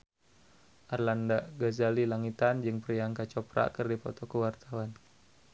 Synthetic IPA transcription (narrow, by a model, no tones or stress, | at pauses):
ʔarlandaʔɡazalilaŋit̪and͡ʒɨŋpɾijaŋkat͡ʃɔpɾa̰kɨrdipɔ̰t̪ɔkəwart̪awan